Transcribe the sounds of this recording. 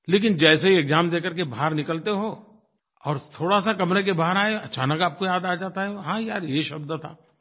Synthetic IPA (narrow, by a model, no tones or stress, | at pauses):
leːk̬ɪnd͡ʒɛːseɦieːkzaːmd̪eːkəɾkebʱaːɾnɪkəlt̪eɦoː | ɔːɾt̪ʰoːɽasakɐmɾek̬ebʱaːəɾaːeɐt͡ʃaːnəkaːp̚kojaːd̪aːd͡ʒaːt̪aɦɛɦoɦãːjaːɾjeʃɐbd̪t̪ʰa̰ː